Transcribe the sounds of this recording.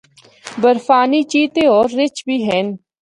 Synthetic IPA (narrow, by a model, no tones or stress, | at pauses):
bəɾfaːniːt͡ʃiːt̪eɔːɾːɪt͡ʃbʱiːɦɛːn